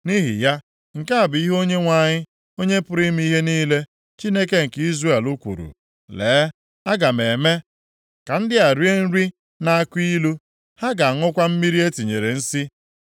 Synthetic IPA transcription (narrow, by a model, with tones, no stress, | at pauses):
ni˦ɦi˨ja˦ | ŋ̩˨ka˦a˨bɪ˨i˦ɦo˦ɲe˦ŋʷa˦˨ɲɪ˦ | o˦ɲe˦pʊ˦ɾi˦m˦i˦ɦe˦niː˦le˦ | t͡ʃi˦ne˦ke˦ŋ̩˨ki˦zɾe˦e˨lu˦kʷṵ˨ɾṵ˨ | leː˨˦ | a˦ɡa˨me˨me˦ | ka˨n̩˦dɪ˦a˨ɾi˦e˦n̩˦ɾi˦ | na˦a˦kʷi˦lu˦ | ha˦ɡa˨a˨ŋʊ˦kʷa˦m̩˦mi˦ɾi˦e˦ti˨ɲe˨ɾe˨n̩˦si˦